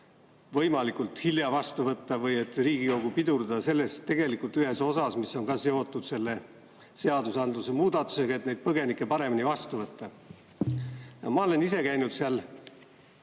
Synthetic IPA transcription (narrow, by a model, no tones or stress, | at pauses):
vɤ̞jmɑlikult̪hiljɑvɑst̪uvɤt̪ːɑvɤje̞t̪ːˑriːɡ̥iko̞ɡupid̪uɾd̪ɑɑse̞lːe̞st̪ːe̞ɡ̥e̞likult̪yhe̞so̞sɑsmisːo̞ŋkɑsjeot̪ːˑud̪̥se̞lːe̞ | seɑd̪usɑnd̪luse̞muːd̪̥ɑt̪ːˑu̥seɡɑe̞t̪ne̞jd̪̥̚pɤɡe̞nikːˑe̞pɑɾe̞minivɑst̪uvɤt̪ːɑ | jɑmɑo̞le̞nise̞kæjnud̪̥seɑl